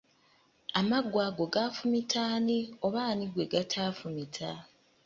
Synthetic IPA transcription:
amaɡwaːɡo̞ɡafumitʰaːnio̞βaːniɡwe̞ɡatʰaːfumitʰa

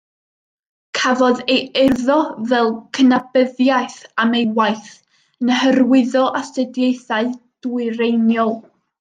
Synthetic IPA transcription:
kʰavɔðejɪrðɔvɛlˠkʰənabəðjajθamejwajθ | nəhərwɪðɔʔastədjejθaɨd̥uɨɾejnjɔlˠ

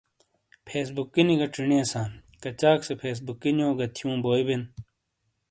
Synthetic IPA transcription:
pʰeːs̬bukːiniɡɐʈ͡ʂiɳiɐsãːn | kɐt͡ɕaːksepʰeːs̬bukːinjõːɡɐt̪ʰjũːboːiben

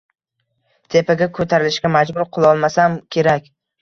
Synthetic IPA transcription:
t̪ʰe̞pʰaɡʲakʰɵt̪ʰaɾɪlɪʃɡʲamad͡ʒbʊɾqʰʊlˠɒlˠmasamkʲʰe̞ɾakʲ

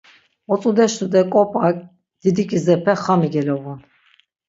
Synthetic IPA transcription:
ɔt͡sʼud̪ɛʃt̪ud̪ɛkʼɔpʼakʼ | d̪̥id̪ikʼizɛpʰɛχamiɡɛlɔvun

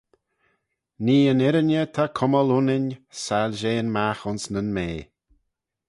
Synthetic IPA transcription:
niːənɪɾənʲət̪ʰakʰʊməlunɪnʲsalʲʒeːnmaxʊnsnənmeː

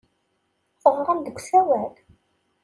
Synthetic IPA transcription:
θəʁʁænd̪əɡʷsæwæl

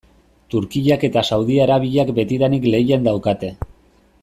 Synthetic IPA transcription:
t̪uɾkiʎake̞t̪asawðiaɾaβ̞iʎakbe̞t̪iɾanikle̞jend̪awkat̪e̞

